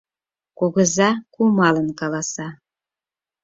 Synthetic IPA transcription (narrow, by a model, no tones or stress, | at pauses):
koɣəzɑkumɑlənkɑlɑsɑ